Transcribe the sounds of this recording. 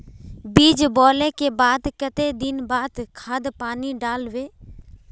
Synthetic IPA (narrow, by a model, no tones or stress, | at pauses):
biːd͡ʒbɔːlẽkebaːd̪kət̪ed̪ɪnbaːd̪kʰaːd̪paːniɖaːlʋeː